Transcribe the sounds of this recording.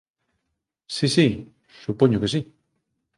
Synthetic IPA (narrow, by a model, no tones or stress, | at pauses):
sisi | supoɲokesi